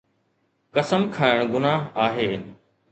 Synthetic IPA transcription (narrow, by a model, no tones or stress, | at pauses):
kɐsəmkʰaːɪɽ̃ɡʊnaːɦaːɦeːn